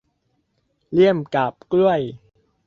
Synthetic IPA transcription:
li˥˩əmka˨˩p̚klu˥˩əj

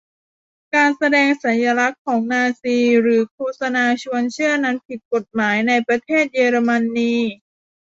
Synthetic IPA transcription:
kaː˧nsa˧dɛː˧ŋsa˩˦nja˧ɾa˦˥kʰːɔː˩˦ŋnaː˧siː˧ɾɯː˩˦kʰuː˧˨sa˧naː˧t͡ɕʰu˧ənt͡ɕʰɯ˥˩ɐəna˦˥npʰi˨˩t̪̚ko˨˩t̪̚maː˩˦jna˧jpɾa˧t̪ʰeː˥˩t̪̚jeː˧ɾoː˧ma˧nːiː˧

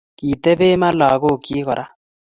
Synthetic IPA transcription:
kiː˨t̪e˦beː˦ma˦laː˨ɡo˦˨kiː˦kɔ˨ɾʔa˦

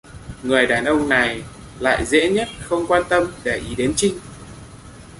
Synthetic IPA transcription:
ŋɨ˨˩əjɗaː˨˩nʔə˧wŋ͡mna˨˩j | la̰ː˧˨jzḛ˧˥ɲə˦˥t̚xə˧wŋ͡mkwaː˧nt̪ə˧mɗe˧˩ʔi˨˦ɗe˨˦nt͡ɕï˧ŋ̟

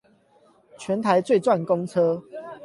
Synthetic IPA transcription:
t͡ɕʰɥɛ˨˦nt̪ʰa˨˦ɪt͡swe˥˨ɪt͡swa˥˨nko˦ŋt͡sʰɤ˦

